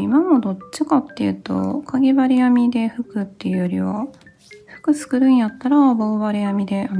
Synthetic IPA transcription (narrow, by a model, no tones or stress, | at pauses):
imamo̞d̪o̞t͡ɕːikat̪ːe̞jɯ̟̰t̪o̞̰kʰaɡʲebaɾʲijamʲid̪e̞ɸɯ̟kɯ̟t̪ːe̞jɯ̟jo̞ɾʲḭβa̰ | ɸɯ̟̥kɯ̟t͡sɨ̥kɯ̟ɾɯ̟̃ɰ̃jat̪ːaɾaboːβaɾʲijamʲid̪e̞a